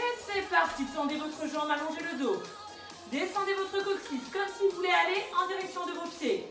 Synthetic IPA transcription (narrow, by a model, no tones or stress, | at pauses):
vɛt̪sɛpaʁd̪isɑ̃d̪evɔt̪χəʒɑ̃malɔ̃ʒeləd̪o | d̪esɑ̃d̪evɔt̪χəkɔtifkɔmsilvulɛaleʔɑ̃d̪iʁɛksjɔ̃d̪əvopje